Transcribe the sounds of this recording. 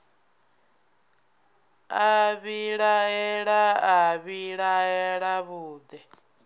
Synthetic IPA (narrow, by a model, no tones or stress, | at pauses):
aβiɺaɛɺaaβiɺaɛɺaβuːd̪ɛ